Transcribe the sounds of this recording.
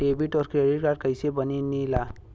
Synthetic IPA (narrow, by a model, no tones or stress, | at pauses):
ɖebiʈɔɾkɾeɖiʈ̚kaɾɖ̚kajsebəninila